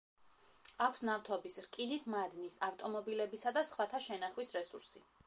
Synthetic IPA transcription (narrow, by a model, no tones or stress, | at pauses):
akʷʰsnaft̪ʰɔbisɾkʼinismad̪nisaft̪ʼɔmɔbilɛbisad̪asχwat̪ʰaʃɛnaχwisɾɛsuɾsi